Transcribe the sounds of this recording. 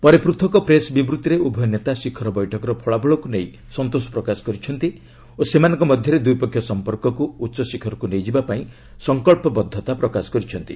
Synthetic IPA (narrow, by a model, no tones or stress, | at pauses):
pɔɾepɾut̪ʰɔkɔpɾesbibɾut̪iɾeubʱɔjɔnet̪asikʰɔɾɔbɔjʈʰɔkɔɾɔpʰɔɭabɔɭɔkunej | sɔnt̪osɔ̥pɾɔkasɔ̥kɔɾit͡ʃʰɔnt̪i | osemanɔ̃ŋkɔmɔd̪ʱjɔɾed̪ujpɔkʰjɔsɔmpɔɾkɔkuːtːʃɔsikʰɔɾɔkunejd͡ʒibapaĩ | sɔŋkɔɭpɔbɔd̪ʱːɔt̪apɾɔkasɔ̥kɔɾit͡ʃʰɔnt̪i